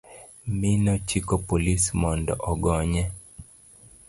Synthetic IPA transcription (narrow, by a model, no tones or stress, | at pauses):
minɔt͡ʃikɔpolismɔndɔ̰ʔɔɡɔɲɛ